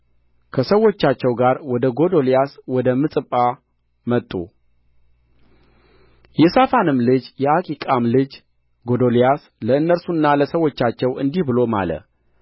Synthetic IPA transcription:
kʰəsəwo̞t͡ʃːat͡ʃːɛwɡaɾwɔd̪əɡo̞d̪o̞lijaswɔd̪əmɨsʼɨpʼːa | mət̪ʼːṵ | jɛsafanɨmlɨd͡ʒjɛakʼikʼamlɨd͡ʒ | ɡo̞d̪olijas | ləɨnːəɾsunːaləsəwo̞t͡ʃːat͡ʃːɛwɨnd̪ihbɨlo̞ma̰lə̰

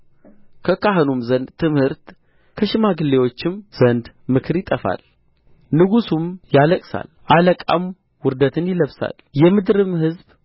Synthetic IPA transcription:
kʰəkaɦɨnumzənd̪t̪ʰːɨmhɨɾt̪ | kʰəʃɪmaɡɨlːe̞wo̞t͡ʃːɪmz̥ənd̪ | mɨkʰɨɾjɪt̪ʼəfa̰l | nɨɡusumjaləkʼsa̰lʔaləkʼa̰m | wʊɾd̪ət̪ʰɨnjɪləβsa̰ljɛmɨd̪ɾɨmhɨzb

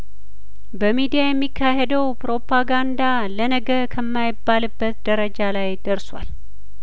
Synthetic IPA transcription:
bəmid̪ijajɛmːikʰːahɛd̪əwpɾo̞pʰaɡand̪a | lənəɡəɾkʰəmːajɪbːalɨbːət̪d̪əɾəd͡ʒalajd̪əɾswa̰l

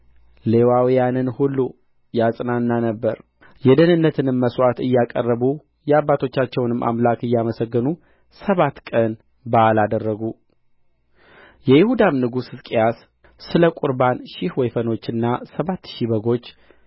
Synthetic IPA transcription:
le̞wawijanɨnhulːu | jasʼnanːanəbːəɾ | jɛd̪ənɨnːət̪ʰɨnɨmːəswat̪ɨjːakʼərːəβu | jɛabːat̪ʰo̞t͡ʃːat͡ʃːɛwnɨmʔa̰mlakɨjːaməsəɡːɨnu | səβat̪ːkʼən | balad̪ərːəɡu | jɛjɪhud̪amnɨɡusɨzkʼijas | sɨləkʼuɾbanʃɪhwɛjfəno̞t͡ʃːɨnːasəβat̪ːʃiβəɡo̞t͡ʃː

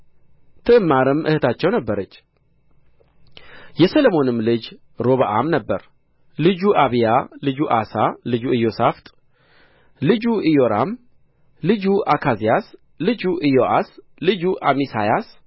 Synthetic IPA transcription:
t̪ʰɨɨmːaɾɨmʔɨ̰hɨt̪ʰat͡ʃːɛwnəbːəɾət͡ʃː | jɛsəlomo̞nɨmːlɨd͡ʒ | ɾo̞βaʔamnəbːə̰ɾ | lɨd͡ʒuʔaβijalɨd͡ʒuʔasalɨd͡ʒuɨjo̞saft̪ʼ | lɨd͡ʒuʔijo̞ɾam | lɨd͡ʒuʔakʰazijas | lɨd͡ʒuʔɨjoʔas | lɨd͡ʒuʔamisajas

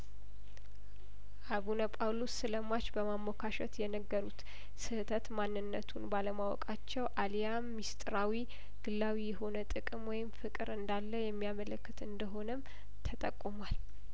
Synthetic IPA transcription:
ʔaβunəpʼawlosːɨləmat͡ʃbəmamːokʰaʃɛt̪jɛnəɡːəɾut̪ | sɨht̪ʰət̪manːɨnːət̪ʰunbaləmawɔ̰kʼat͡ʃːɛwʔalijamːist̪ʼɾawi | ɡ̥ɨlːawijɛɦo̞nət̪ʼɨkʼɨmwɔjɪmfɨkʼɨɾɨnd̪alːəjɛmːijamələkːɨt̪ɨnd̪əɦo̞nəm | t̪ʰət̪ʼəkʼːumwal

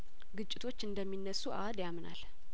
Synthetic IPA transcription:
ɡɨt͡ʃʼːɪt̪ʰo̞t͡ʃːɨnd̪əmːinːəsːuʔad̪jamna̰l

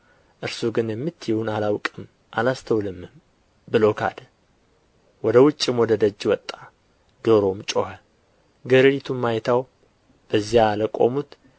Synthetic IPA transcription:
ʔɨɾsuɡɨnjɛmːɨt̪ʰːjiwunalawkʼɨm | ʔalast̪ʰəwlɨmːɨm | bɨlo̞kʰa̰d̪ə | wɔd̪əwʊt͡ʃʼːimwɔd̪əd̪əd͡ʒːwɔt̪ʼːa | d̪̥oɾo̞mt͡ʃʼohə | ɡəɾɨɾit̪ʰumːajt̪ʰaw | b̥əzːijaləkʼo̞̰mut̪

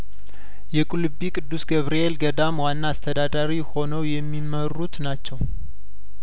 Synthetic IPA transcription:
jɛkʼulɨbikʼɨd̪ːusɡəβɾielɡəd̪amwanːaːst̪ʰəd̪ad̪aɾiho̞nəwjɛmːimərːut̪nat͡ʃːɛw

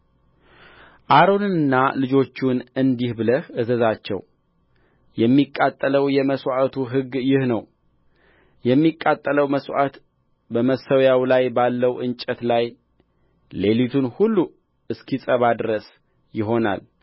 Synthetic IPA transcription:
ʔaɾo̞nɨnɨnːalɨd͡ʒo̞t͡ʃːunɨnd̪ihbɨləhɨzəzat͡ʃːɛ̰w | jɛmːikʼːat̪ʼːələwjɛməswat̪ʰuɦɨɡːjɪhnəw | jɛmːikʼːat̪ʼːələwməswʔa̰t̪ | bəməsːəwjawlajbalːəwʔɨnt͡ʃʼɛt̪laj | le̞lit̪ʰunhulːu | ɨskʰisʼəβad̪ɾəs | jɪɦo̞na̰l

